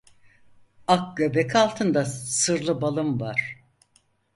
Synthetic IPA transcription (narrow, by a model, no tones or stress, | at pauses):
ak̚ɟøbekʰalˠt̪ʰɯnd̪asɯɾlˠɯbalˠɯmvaɾ̥